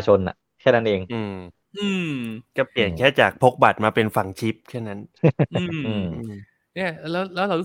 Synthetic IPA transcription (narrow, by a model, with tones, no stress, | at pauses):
t͡ɕʰo˧na̰˨˩ | kʰɛː˥˩na˦˥nʔeː˧ŋʔɯː˧m | ʔɯː˧mka˧˩pli˨˩ənkʰɛː˥˩t͡ɕaː˨˩k̚pʰo˦˥k̚ba˨˩t̪̚maː˧pe˧nfa˨˩ŋt͡ɕʰi˦˥p̚kʰɛː˥˩na˦˥nʔɯː˧mʔɯː˧ʔɯ˧m | ni˥˩lɛː˦˥wlɛː˦˥wɾa˧wɾu˦˥˨